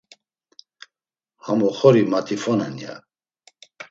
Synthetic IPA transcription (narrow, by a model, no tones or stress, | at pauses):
hamɔχɔɾimat̪ʰifɔnɛnja̰